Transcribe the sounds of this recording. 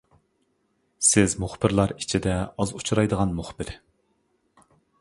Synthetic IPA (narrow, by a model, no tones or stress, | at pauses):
sɪzmʊχbɪɾlˠɑɾit͡ʃʰid̪ɛɑzut͡ʃʰuɾɑjd̪əʁɑnmuχb̥ɪɾ